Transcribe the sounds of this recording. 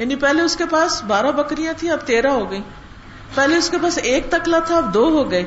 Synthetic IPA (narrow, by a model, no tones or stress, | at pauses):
jaːnipɛɦleʊskepaːsbaːɾabɐkɾijãt̪ʰĩɐb̚t̪eːɾaɦoɡɐĩː | pɛɦleʊskepaːseːk̚t̪ɐklat̪ʰaɐb̚d̪oːɦoɡɐeː